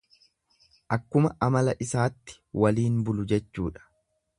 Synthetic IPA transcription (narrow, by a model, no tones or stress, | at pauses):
ʔɐkːʊmɐʔɐmɐlɐʔɪsaːt̪ːɪ̥wɐliːnbʊlʊd͡ʒɛt͡ʃːuːᶑɐ̥